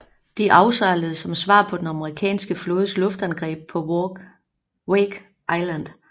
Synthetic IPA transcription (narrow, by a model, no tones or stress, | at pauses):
d̥iʔɑ̈ʊsɑ̈ləð̩ˠsɒ̽msʋɑ̰̈ːpʰɒ̽d̥enɑ̈məʁikʰɛ̰ːnsɡ̥əflɔ̽ːð̞ˠslɔ̽fd̥ænɡ̥ʁɛ̰ːb̥̚pʰɒ̽ | weɡ̥ | ʔɑɪlænd̥